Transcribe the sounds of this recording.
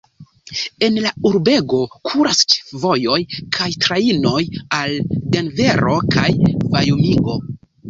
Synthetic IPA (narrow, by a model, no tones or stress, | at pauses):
e̞nlauɾbe̞ɡo̞kʰuɾast͡ʃvo̞jo̞jkʰajtɾaino̞jaldenve̞ɾo̞kajvajomiɡo̞